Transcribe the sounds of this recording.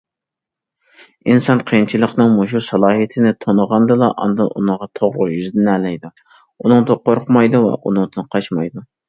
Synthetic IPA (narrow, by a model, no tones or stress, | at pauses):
insɑnqʰəjint͡ʃʰilˠəqnɨŋmuʃusɑlˠɑːɦijt̪ʰɪnɪt̪ʰonəʁɑnd̪ɨlˠɑʔɑ̰nd̪ɨnʔṵnɨʁɑt̪ʰoʁlʊjyzd̪ɪnɛlɛjd̪u | unɨŋd̪ɨqʰoɾqʰmɑjd̪uvɛ̰ʔunɨŋd̪ɨnqʰɑt͡ʃmɑjd̪u